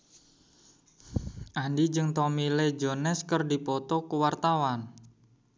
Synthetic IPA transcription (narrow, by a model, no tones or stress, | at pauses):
ʔanɖid͡ʒɨŋt̪ɔmiled͡ʒonɛskərdipɔt̪ɔkuwart̪awan